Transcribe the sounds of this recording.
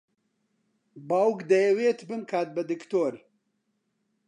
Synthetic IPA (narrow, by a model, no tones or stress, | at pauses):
bawkd̪ɐjɐweːt̪bɨnkʰaːt̪̚bɐd̪ɨkt̪oːɾ